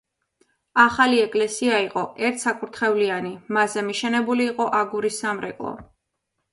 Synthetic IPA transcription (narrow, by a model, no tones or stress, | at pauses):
aχaliɛkʼlɛsiaiqʼɔʔɛɾt̪ʰsakʼuɾt̪ʰχɛvlianimazɛmiʃɛnɛbuliːqʼɔʔaɡuɾisːamɾɛ̰kʼlˠɔ̰